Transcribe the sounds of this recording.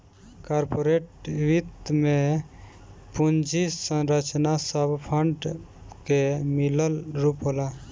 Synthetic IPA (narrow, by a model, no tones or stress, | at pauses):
kaɾpoɾeʈʋit̪mẽ | pund͡ʒisə̃ɾət͡ʃnasəbʱpʰəɳɖkemiləlɾupɦola